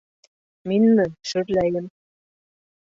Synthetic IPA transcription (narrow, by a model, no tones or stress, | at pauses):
minmɘ̆ʃyɾlæjɘ̆m